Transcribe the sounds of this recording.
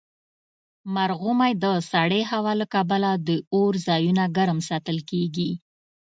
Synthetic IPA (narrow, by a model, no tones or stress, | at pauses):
maɾɣumajd̪əsaɽeɦawɑlakabalad̪əoɾzɑjunaɡaɾəmsɑt̪əlkeɡi